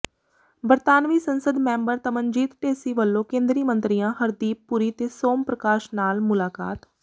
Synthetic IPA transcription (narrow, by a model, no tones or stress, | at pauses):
bəɾt̪aːnʋiːsənsəd̪mɛ̃ːmbəɾt̪əmənd͡ʒiːt̪ʈeːsiːʋəlːõːkẽːnd̪ɾiːmə̃nt̪ɾiːjãːhəɾd̪iːpːuɾiːt̪eːsoːmpɾəkaːʃnaːlmʊlaːka̰ːt̪